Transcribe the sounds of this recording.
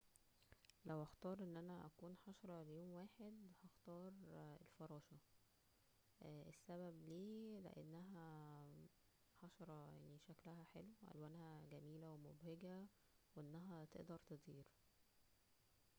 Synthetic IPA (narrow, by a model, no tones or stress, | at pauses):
læwhæxt̪ɑːɾˤʔenːʔænæʔæ̰kuːnħɑʃɑɾˤɑlejoːmwaːħed̪hɑxt̪ɑːɾˤelfɑɾˤɑːʃɑ | ʔesːæbæbliːlḛʔḛnːæɦæ | ħɑʃɑɾˤɑja̰ʕniʃæklæhæħeluwʔæ̰lwæːnhæɡæmiːlæwemobheɡæ | weʔenːæɦæt̪ḛʔd̪ɑɾˤt̪ed̪ˤiːɾ